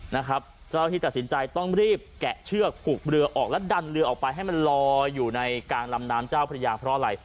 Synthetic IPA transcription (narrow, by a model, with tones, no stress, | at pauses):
na˦˥kʰɾa˦˥p̚ | t͡ɕaː˥˩wt̪ʰiː˥˩a˨˩t̪̚si˩˦nt͡ɕa˧jt̪ɔ˥˩ŋɾiː˥˩p̚kɛ˨˩ʔt͡ɕʰɯ˥˩ək̚pʰu˨˩k̚ɾɯ˧ɐʔɔː˨˩k̚lɛ˦˥da˧nɾɯ˧ɐʔɔː˨˩k̚pa˧jɦa˥˩jma˧nlɔː˧juː˨˩na˧jkaː˧ŋla˧mnaː˦˥mt͡ɕaː˥˩wpʰa˧a˧jaː˧pʰɾɔ˦˥ʔa˧ɾa˧j